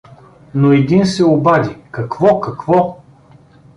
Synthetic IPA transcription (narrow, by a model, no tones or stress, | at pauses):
noɛd̪insɛobad̪ʲikɐkvɔkɐkvɔ